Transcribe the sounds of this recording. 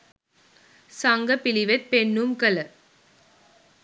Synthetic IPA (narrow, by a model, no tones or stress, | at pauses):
sɐŋɡɐpɪlɪʋɐt̪̚pɛnːumkɐlɐ